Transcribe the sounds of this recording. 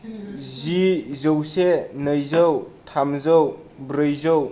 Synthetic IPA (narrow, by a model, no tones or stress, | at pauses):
zizɯwsenɯjzəwtʰamzəwbɾɯjzow